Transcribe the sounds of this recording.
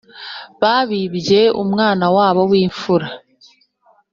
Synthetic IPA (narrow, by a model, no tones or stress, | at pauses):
βaβiβje̞ṵmŋaːnawaːβo̞wiːɱfuɾa